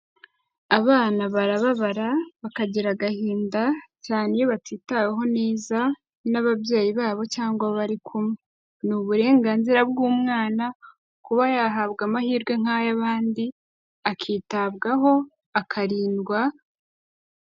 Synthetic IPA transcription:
aβaːnaβaɾaβaβaɾaβakaɟiɾaɡahiːndacaːnejoβatiːtaweɦo̞neːza | naβaβje̞ːjiβaːβo̞caːŋɡwaβaɾikʰumŋe | nuβuɾe̞ːŋɡaːnziɾabɡuːmŋaːna | kuβajaɦaβɡamahiːɾɡwe̞ŋ̥ajaβaːndi | akʰiːtaβɡaɦo̞ | akʰaɾiːnɡwa

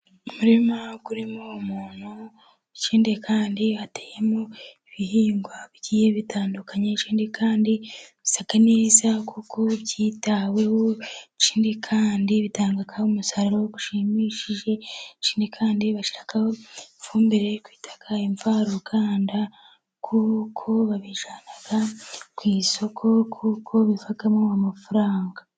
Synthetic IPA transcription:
umuɾimaɡuɾimomuːn̥hu | t͡ʃiːndekʰaːndiβateje̞moiβiɦiːŋɡwaβɟiːjeβitʰaːndukaɲet͡ʃiːndikʰaːndiβisakaneːzakʰukʰo̞βɟiːtawe̞wot͡ʃiːndikʰaːndiβitaːŋɡakahumusaɾaɾowoɡu̥ʃimiːʃiʒe̞t͡ʃiːndikʰaːndiβaʃiɾakahofuːmbeɾekwi̥ːtʰḁkʰaiɱfaːɾokʰaːnda | kʰukʰo̞βaβiʒaːnaɡakwiːso̞kʰo̞kʰukʰo̞βifakamoamafuɾaːŋɡa

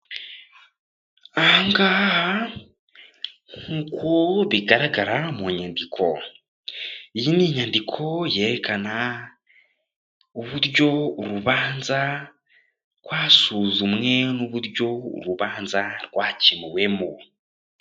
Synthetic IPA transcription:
aŋɡaha | ŋukoβiɡaɾaɡaɾamuɲandikʰo̞̰ | ijiniɲandikʰo̞je̞ːɾekana | uβuɾɟo̞uɾuβaːnza | kwaːsuzumŋe̞nuβuɾɟo̞ṵɾuβaːnzaɾɡwaːcimiwe̞mu

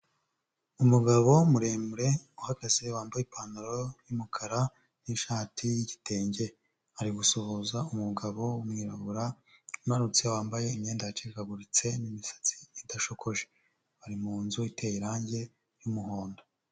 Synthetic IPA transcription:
umuɡaβo̞muɾe̞ːmɾe̞uhaɡaziwaːmbajipaːnaɾo̞jumukʰaɾa | niʃaːtʰijiɟitʰe̞ːɲɟe̞ | aɾiɡusohuzaumuɡaβo̞umŋiːɾaβuɾa | umhaɾut͡siawaːmbaje̞imɲe̞ːndat͡ʃeikaɡuɾit͡se̞nimisḁt͡si̥idaʃokʰo̞ʒe | βaɾimuːnzuitʰe̞jiɾaːɲɟe̞ | jumuɦoːndo

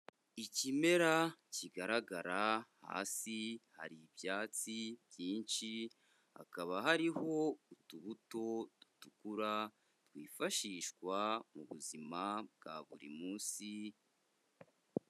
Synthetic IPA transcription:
icime̞ɾaciɡaɾaɡaɾaha̰ːsiha̰ɾibjaːt͡sibjiːnʃi | ha̰kaβaɦaɾiho̞utuβuto̞d̥u̥tukuɾa | twiːfaʃiːʃkwamuβuzimab̚ɡ̥a̰βṵɾḭmuːnsi

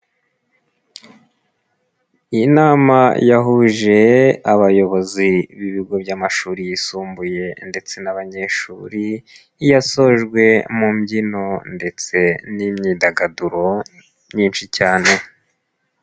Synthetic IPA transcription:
inaːmajaɦuʒe̞aβajo̞βo̞ziβiβiɡo̞bɟamaʃuːɾijisuːmbuje̞nde̞t͡se̞naβaɲe̞ʃuːɾi | jaso̞ʒɡwe̞mumɟino̞nde̞t͡se̞nimɲiːdaɡaduɾo̞ | ɲiːnʃicaːne̞

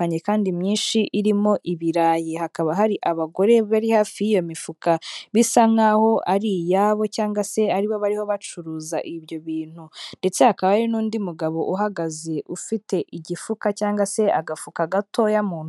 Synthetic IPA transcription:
aɲe̞kaːndimɲiːnʃiʔiɾimo̞ʔiβiɾaːjehakaβaɦaɾiʔaβaɡo̞ɾe̞βaɾihaːfiijo̞mifukaβisaŋaho̞ʔaɾijaβo̞caːŋɡwase̞aɾiβo̞βaɾiho̞βat͡ʃuɾuːzaʔiβjo̞βiːn̥hunde̞t͡se̞hakaβaaɾinuːndimuɡaβo̞ʔuɦaɡaze̞ʔufite̞ʔiɟifukacaːŋɡase̞aɡafukaɡatʰo̞jamuːn

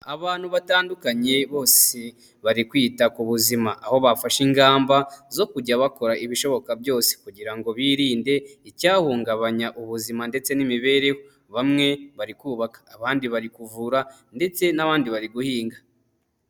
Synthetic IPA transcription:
aβaːn̥huβataːndukaɲe̞βo̞ːse | βaɾikwiːtakuβuzimaʔaho̞βafaʃiŋɡaːmbazo̞kuɟaβako̞ɾaʔiβiʃo̞βo̞kabjo̞ːse̥kuɟiɾaŋɡo̞βiːɾiːnde̞icaːhuːŋɡaβaɲaʔuβuzimande̞t͡se̞nimiβe̞ɾe̞ho | βamŋe̞βaɾikuːβakḁːβaːndiβaɾikuvuɾa | nde̞t͡se̞naβaːndiβaɾiɡuhiːŋɡa

